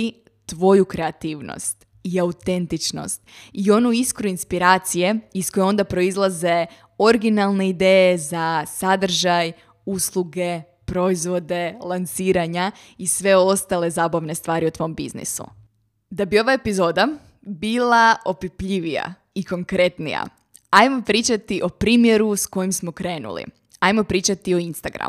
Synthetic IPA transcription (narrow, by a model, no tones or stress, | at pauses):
t̪ʋo̞jukɾe̞at̪iːʋno̰st̪ | iaut̪e̞nt̪it͡ʃno̞̰st̪io̞nuiskɾuinspiɾaːt̪sije̞iskojeo̞nd̪apɾo̞izlˠaze̞ | o̞ɾɡinalˠne̞id̪eːjezasad̪r̩ʒaj | uslˠuɡe̞ | pɾo̞izʋo̞d̪e̞lˠansiːɾaɲa | isʋe̞o̞st̪ale̞zaːbaʋne̞st̪ʋaːɾiut̪ʋo̞mbḭznḭsṵ | d̪abio̞ʋaepizo̞ːd̪a | biːlˠao̞pipʎiʋija̰ | iko̞ŋkɾe̞t̪nḭja̰ | ajmo̞pɾiːt͡ʃat̪iʔo̞pɾiːmje̞ɾusko̞jimsmo̞kɾe̞ːnṵlḭ | ajmo̞pɾiːt͡ʃat̪io̞inst̪aɡɾa̰m